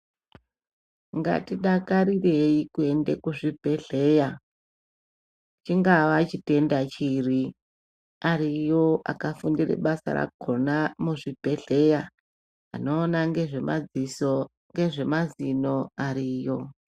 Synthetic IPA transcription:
ŋɡa̰tiɗakaɾire̞ikue̞ndekuʐib̥ʱe̞ɮe̞ja | t͡ʃiŋɡaʋat͡ʃite̞ndat͡ʃiri | aɾijo̞a̰kafundirḛɓasa̰ra̰kʰo̞namuʐib̥ʱe̞ɮe̞ja̰ː | no̞ːnaŋɡe̞ʐe̞ma̰d͡ziso | ŋɡe̞ʐe̞mazino̞aɾiːjo̞

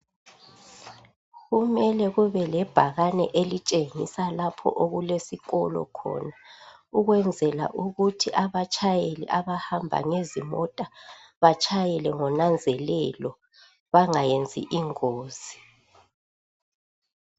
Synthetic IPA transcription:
ɣumɛlɛɣuβɛlɛb̥ʱaɣanɛʔelit͡ʃʼeŋisalapʰɔ̰ʔoɣulesiɣɔlɔ̰kʰɔ̰nauɣwɛnd͡zʱɛla̰ʔuɣutʰiʔaβat͡ʃʼʰajelḭʔaβahambʱa̰ŋezimɔtʼa | βat͡ʃʼajɛlɛŋɔnand͡zʱɛlɛlɔ | βaŋajend͡zʱḭʔiŋoːz̥i

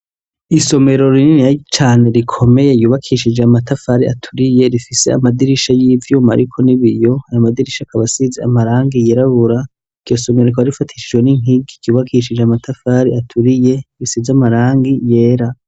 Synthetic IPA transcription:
iso̞me̞ɾo̞ɾininijat͡ʃaːne̞ɾikʰo̞me̞jejuːβakʰiʃid͡ʒeamatafaɾia̰tʰuɾije̞ɾifise̞̰a̰madiɾiʃajiːvjuːma̰ɾikʰo̞niβijo̞ajomadiɾiʃakʰaβasizeamaɾaːŋɡijeɾaβuɾa | iɡ̥jo̞so̞meɾokoaɾifatʰi̥ʃid͡ʒweniŋ̥iɡikiuːβakʰiʃid͡ʒeamatʰafaɾiatʰuɾije̞ɾisizeamaɾaːŋɡije̞ːɾa

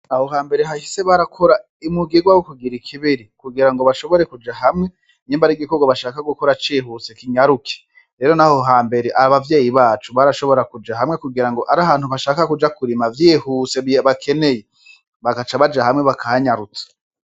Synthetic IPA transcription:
nahohaːmbe̞ɾeɦahise̞βaɾakʰo̞ɾa | imuɡiɡwawokuɡiɾikʰiβiɾikuɡiɾaŋɡo̞βaʃo̞βo̞ɾe̞kud͡ʒaɦamŋe̞ | ɲiːmbaɾiɡikoɡwaβaʃaːkaɡuko̞ɾat͡ʃiːɦuse̞kiɲaɾukʰi̥ | ɾe̞ːɾo̞naho̞ɦaːmbe̞ɾeʔaaβavje̞ːjiβaːt͡ʃuβaɾaʃo̞βo̞ɾakud͡ʒaɦamŋe̞kuɡiɾaŋɡo̞ʔaɾahaːnhuβaʃaːkakud͡ʒakuɾimavjiːhuse̞ββakʰe̞ne̞je | βaɡat͡ʃaβad͡ʒahamŋe̞βakʰahaɲaɾut͡sḁ

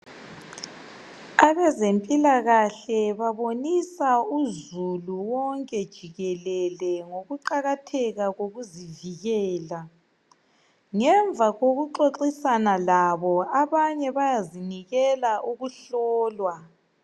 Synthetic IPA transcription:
aβɛzempʼilaɣaɬɛβaβonisauzuluwɔŋkʼɛd̥ʒ̥ʱiɣɛlɛlɛŋoɣuǃaɣatʰɛɣaɣoɣuziviɣɛːla | ŋɛɱvʱaɣoɣuǃoǁisanalaβɔaβaɲɛβajaziniɣɛlaʔuɣuɬɔːlwa

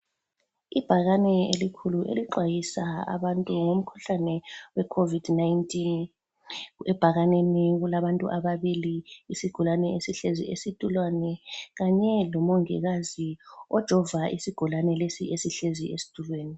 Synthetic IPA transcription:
ib̥ʱaɣanɛelikʰuluʔḛliǃwajisaa̰βantʼuŋom̩kʰu̥ɬanɛwɛkʰovidnajntʼin | ɛb̥ʱaɣaneniɣulaβantʼṵʔaβaβiliːsiɡ̥ʱulanɛesiɬezḭesid̥ʱʼulwanɛɣaɲɛlɔmɔŋɛ̰ɣaziɔd̥ʒ̥ʱɔvaʔisiɡ̥ʱulanɛlesiʔesiɬeziesi̥tʰʼulweːni

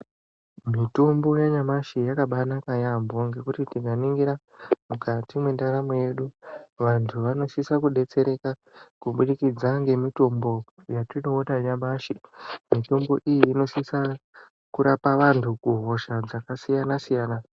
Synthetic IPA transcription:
mitombo̞jaɲamaʃijakaɓanakajambo̞ŋɡe̞kutitiɡʱaniŋɡiɾa | mukatimwendaɾamoje̞ɗuʋantʰuʋano̞sisakuɗe̞t͡se̞ɾe̞ka | kuɓuɗikid͡zaŋɡe̞mito̞mbo̞ | jatino̞ːtaɲamaʃimito̞mbo̞̰ʔijiːno̞sisa | kuɾapaʋantʰukuɦo̞ʃad͡zakasijanasijaːna

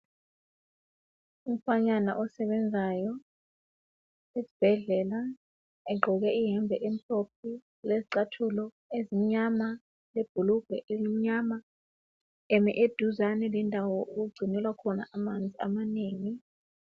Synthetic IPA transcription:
um̩faɲana̰ʔɔsɛɓɛnd͡zʱajɔ | esi̥b̥ʱɛɮɛːla | ɛɡ͡ǃʱɔk̬ɛiɦɛmbvʱɛʔem̩ɬʰʼop̚ʰi | leziǀatʰulɔ | ezim̩ɲama | leb̥ʱuluɡ̥ʱɛ̰ʔezim̩ɲama | ɛmɛ̰ʔed̥ʱuzanɛlɛndʱawɔuk̬uɡ͡ǀʱinɛlwakʰɔna̰ʔamand͡zʱia̰maneːŋi

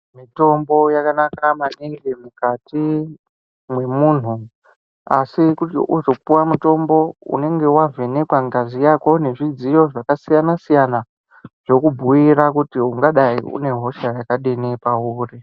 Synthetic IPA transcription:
mito̞mbo̞jakanakamaneŋɡemukati | mwe̞muːn̤u | asikuuzo̞puwamuto̞mbo̞ṵne̞ŋɡe̞wavʱe̞ne̞kwaŋɡazijako̞ne̞ʐid͡zijo̞ʐakasijanasijana | ʐ̥o̞kubʱujiɾakutiuŋɡaɗaiṵne̞ɦo̞ʃajakaɗenepauːri

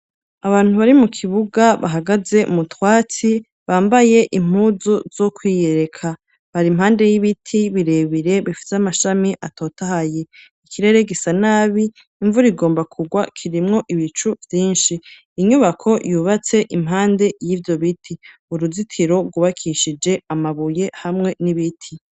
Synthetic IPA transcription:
aβaːn̥huβaɾimukʰiβuɡaβa̰ɦaɡaze̞̰mutwaːt͡si | βaːmbaje̞ʔim̥uːzuz̥o̞kʰwiːje̞ɾe̞kʰa | βaɾimhaːnde̞jiβitʰiβiɾe̞βiɾe̞βifi̥seamaʃamiʔato̞ːtahaje̞ | ikiɾe̞ɾe̞ɡisanaːβiː | ɱvuɾiɡo̞ːmbakʰuɡwakʰiɾimŋo̞ʔiβit͡ʃuvjiːnʃiː | ɲuβakʰo̞juːβat͡se̞ʔimɦaːnde̞jiːvjo̞βitʰiuɾuzitʰiɾo̞ɾɡuβakʰiʃid͡ʒe̞amaβuje̞hamŋe̞niβitʰi

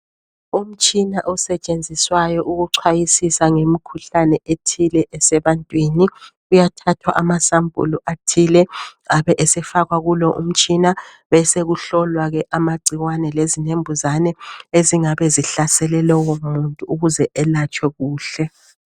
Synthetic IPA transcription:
um̩t͡ʃʼinaʔɔsɛt͡ʃʼend͡zʱiswajɔʔuɣuǀʰwajisisaŋemikʰuɬanɛʔetʰilɛʔɛsɛβantʼwiːniɣujatʰatʰwaʔamasambʱʼṵluʔatʰilɛaβɛʔɛsɛfaɣwaɣulɔʔṵm̩t͡ʃʼina | βɛseɣuɬɔlwaɣɛʔamaǀiɣwanɛlezinembʱuzanɛeziŋaβɛziɬasɛlɛlɔwomuntʼuːɣuzɛʔɛlat͡ʃʼwɛɣuːɬɛ

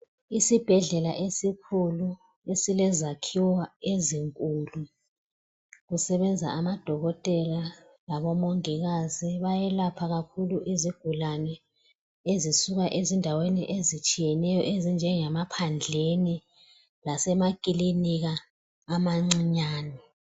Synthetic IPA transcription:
isib̥ʱɛɮɛlaʔesikʰulu | esilɛzakʰiwaeziŋkʼuːlu | ɣusɛβɛnd͡zʱa̰amad̥ʱɔɣɔtʼɛla | laβɔmoŋiɣaziβajɛlapʰaɣakʰuluʔiziɡ̥ʱulanɛ | ezisuɣaʔezindʱaweniʔezit͡ʃʼijɛnɛjɔʔezind͡ʒʱɛŋɛmapʰand͡ɮʱeni | lasɛmakʼiliniɣaː | maŋ͡ǀiɲaːni

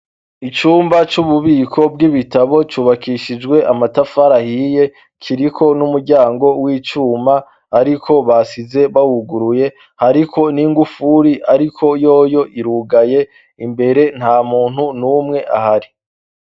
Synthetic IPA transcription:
it͡ʃuːmbat͡ʃuβuβiːkʰo̞b̚ɡiβitaβo̞t͡ʃuːβakiʃid͡ʒɡwe̞ʔamatafaɾahije̞ | kʰiɾikʰo̞numuɾɟaːŋɡo̞wiːt͡ʃuːmaː | ɾikʰo̞βasize̞βawuɡuɾuje̞ | haɾikʰo̞niŋɡufuɾiʔaɾikʰo̞jo̞ːjo̞ʔiɾuːɡaje̞ | imbe̞ɾe̞n̥haːmuːn̥hunumŋe̞ʔa̰haɾi

